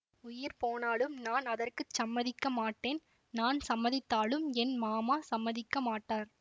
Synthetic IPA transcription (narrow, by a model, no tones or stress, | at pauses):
ʊjɪɾpoːnaːlɯmnaːnɐðɐrkɯt͡ʃːɐmːɐðɪkːɐmaːʈːeːn | naːnsɐmːɐðɪt̪ːaːlɯmɛnmaːmaːsɐmːɐðɪkːɐmaːʈːaːɾ